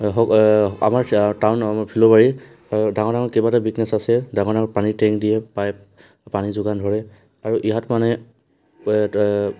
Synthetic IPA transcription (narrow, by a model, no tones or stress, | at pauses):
ɦɔa̰maɹtawnpʰilɔbaɹi | daŋɔɹdaŋɔkebatabiknɛsasɛdaŋɔɹdaŋɔɹpanitɛŋkdijɛpaj | panizʊɡandʱɔɹɛ | aɹuʔiɦatmanɛ